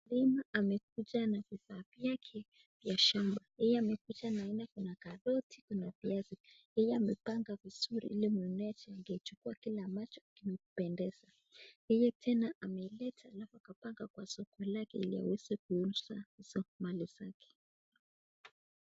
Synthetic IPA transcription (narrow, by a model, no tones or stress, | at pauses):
limaʔamɛk̚ud͡ʒanavifaːvjakʰɛ | vjaʃambajɛjɛamɛkud͡ʒanaːinakunakaðɔtʰi̥kunaviazijɛjɛamɛpaŋɡaviz̥uɾḭʔilimuɛnɛat͡ʃɛaŋɡɛit͡ʃukuakilamat͡ʃɔ̥kimɛupɛndɛz̥a | jɛjɛtʰɛnaʔamɛilɛtʰaːlafuakapaŋɡakwasɔkɔlakɛilia̰wɛzɛkuunsahiz̥ɔmaliz̥akɛ̥